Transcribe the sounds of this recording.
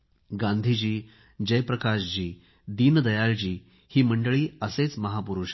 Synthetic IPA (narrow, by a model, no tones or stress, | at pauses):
ɡãnd̪ʱid͡ʑiː | d͡ʑəjpɾəkaɕd͡ʑiː | d̪iːnd̪əjald͡ʑiː | hiːməɳɖəɭiːəset͡sməɦapuɾuʂ